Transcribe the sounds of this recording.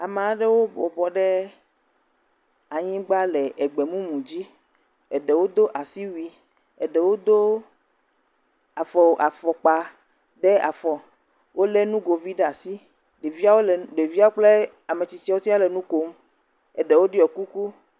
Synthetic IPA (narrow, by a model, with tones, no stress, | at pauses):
a˨mẽ˨a˨ɖe˦wo˦bɔ˨bɔ˨ɖɛ˦ | a˨ɲĩ˦ɡ͡ba˦lɛ˨ɛ˨ɡ͡be˨mũ˦mũ˨d͡ʑi˦ | ɛ˨ɖɛ˨wo˦d̪o˦ʔa˨si˦wi˦ | ɛ˨ɖɛ˨wo˦d̪o˦ | a˨fɔ˨o˨ʔa˨fɔ˨k͡pa˨ | ɖɛ˦a̰˨fɔ˨ | wʔo˦le˦nũ˦ɡo˨vi˦ɖɛ˦a˨si˦ | ɖe˨vi˦a˦wo˦lɖe˨vi˦a˦wo˦k͡ple˦ | a˨mẽ˨t͡ɕi˨t͡ʃi˦a˨wo˦si˦a˦lɛ˨nũ˦ko˦m | ɛ˨ɖɛ˨wo˦ɖi˦ɔ˨ku˦ku˦